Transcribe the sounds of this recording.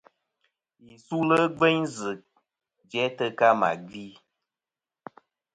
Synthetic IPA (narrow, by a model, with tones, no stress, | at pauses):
ji˨su˦lə˦ɡ͡be˦ɲzɨ˨ | d͡ʒɛ˨˦tə˧ka˦ma̰˨ɡi˦